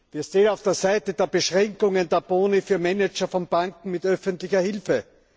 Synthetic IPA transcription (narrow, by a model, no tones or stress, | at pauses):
viːɐʃteːnaʊfd̥eːɐzaɪtəd̥eːɐbəʃʁɛŋkʊŋəndeːɐboːnifyːɐmɛnɛt͡ʃɐfɔnb̥aŋkŋ̩mɪtœfəntlɪçɐhɪlfə